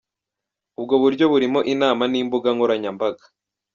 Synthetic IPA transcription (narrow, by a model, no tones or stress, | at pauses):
ub̚ɡo̞βuɾɟo̞βuɾimo̞ʔinaːmaniːmbuɡaŋɡoɾaɲambaɡḁ